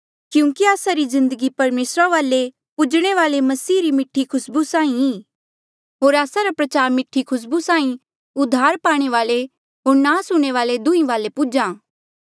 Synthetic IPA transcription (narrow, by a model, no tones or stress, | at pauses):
kjũːkiaːsaɾizɪ̃nd̪əɡipɐɾmeːsɾaʋaːle | pʊd͡ʒɽ̃eʋaːlemɐsiːɾimɪʈʰːikʰʊsbusãːĩɦiː | ɦoːɾaːsaɾapɾɐt͡ʃaːɾmɪʈʰːikʰʊs̬busãːĩ | ʊd̪ʱːaːɾpaːɽ̃eʋaːle | ɦoːɾnaːsʊɽ̃eʋaːled̪ʊ̃ĩʋaːlepud͡ʒãː